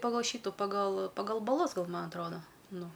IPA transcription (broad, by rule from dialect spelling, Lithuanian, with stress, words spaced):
pɐˈɡɐlˠ ˈʃʲiːtʊ pɐˈɡɐlˠ pɐˈɡɐlˠ bɐˈlˠʊs ˈɡɐlˠ ˈmɐ ɐtˈroːdɐ ˈnʊ